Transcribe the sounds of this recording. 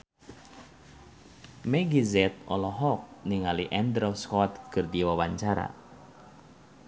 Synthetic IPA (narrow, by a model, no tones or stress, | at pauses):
mɛɡizɛt̪̚ɔ̰lɔɦɔk̚niŋaliʔɛnd̪ɾɔskɔt̪̚kɨrdiwawaɲt͡ʃaɾa̰